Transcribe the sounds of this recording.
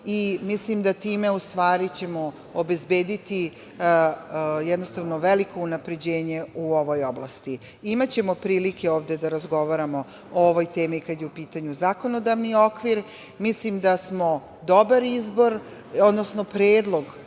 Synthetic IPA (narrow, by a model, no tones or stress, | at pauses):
imislimd̪at̪iːme̞ust̪ʋaːɾit͡ɕe̞mo̞ | obe̞zbe̞ːd̪it̪i | jɛd̪no̞st̪aʋnoʋeliko̞unapɾe̞d͡ʑe̞ːɲe̞uo̞ʋo̞joblˠa̰st̪i | imat͡ɕe̞mo̞pɾiːlikʰeoːʋd̪e̞d̪aɾazɡo̞ʋaɾamo̞ | ooʋo̞jt̪e̞ːmikad̪jeupiːt̪aɲuzaːko̞no̞d̪aʋnio̞kʋiɾ | mislimd̪asmo̞ | d̪o̞baɾizbo̞ɾ | od̪nosnopɾeːd̪lˠo̞ɡ